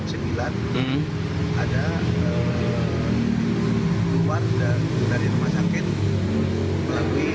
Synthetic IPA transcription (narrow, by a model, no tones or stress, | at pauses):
səmbilan | adaə | iluwardadaɾiɾəmasakɪt̪ | məlalui